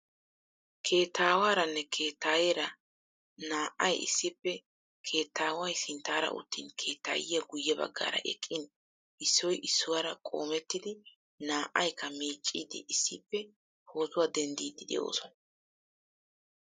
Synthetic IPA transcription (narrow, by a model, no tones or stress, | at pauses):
kʰe̞ːt̪ːaːwaːɾɐnːɛkʰeːt̪ːaːjeɾɐ | naːʔɐjɪ̰sːɪpːɛ | kʰe̞ːt̪ːaːwɐjsɪnt̪ːaːɾɐ̰ʔʊ̰t̪ːḭːnkʰe̞ːt̪ːa̰ːjɪjɐɡʊjːɛbɐ̰ɡːa̰ːɾɐ̰ʔɛkʼːɪn | ʔɪsːɔjʔɪsːʊwaɾɐkʼo̞̰ːmɛt̪ːɪd̪ɪ | naːʔɐjkːɐmiːt͡ʃʼːiːd̪ɪ̰ʔɪsːɪpːɛ | ho̞ːzʊwad̪ɛnd̪iːd̪ɪd̪ɛ̰jo̞̰ːsɔnɐ